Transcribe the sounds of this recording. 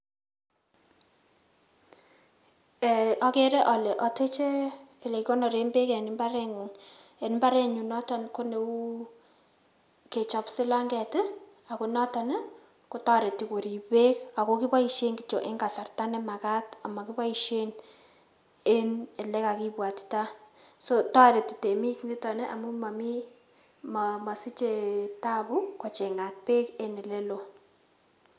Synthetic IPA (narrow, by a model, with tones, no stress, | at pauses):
ɛ˨ɔ˦ke˦ɾe˦ʔɔ˨le˨ʔɔ˨te˦t͡ʃeː˦˨le˨kkɔ˦nɔ˨ɾe˨˦mbe˦kɛ˨ni˦mba˦ɾɛ˦ŋ˨ŋɛ˨nimba˦ɾɛ˦ɲu˨nɔ˦ta˨nko˦ne˨u˦ | ke˨t͡ʃɔ˨psɪ˦la˦ŋɡɛ˨tɪ˦ | a˨ku˨nɔ˦ta˨n˦ | ko˦twa˦ɾe˨ti˨ko˨ɾi˨pe˦ka˨ko˦ki˦pa˦i˨ʃe˦ŋki˦t͡ʃo˨ʔe˦ŋɡa˨sa˨rta˦ne˦ma˨ka˦ta˨ma˨ki˦pa˦i˦ʃe˦n | e˦ne˨le˦ka˨ki˦pwa˨tta˦so˦ta˦ɾe˨ti̥˨te˨mi˦kni˦tɔ˨ne˦ʔa˨mu˦ma˨mi˦ | mama˨si˦t͡ʃe˨ta˦bu˦kɔ˨t͡ʃe˨ŋa˨t̚pe˦ke˦ne˨le˦lo˨